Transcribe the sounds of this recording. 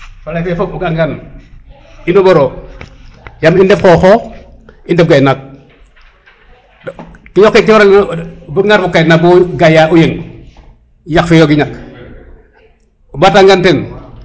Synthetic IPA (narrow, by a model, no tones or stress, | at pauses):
falajfefoɡaŋɡan | inoboɾo | jamindefkoxo | indɛfɡajnak̚ | kijokːekiwoɾalbuŋaɾfukajnak̚boɡajaʔujeŋ | jakfijoɡiɲak̚ | bataŋɡanten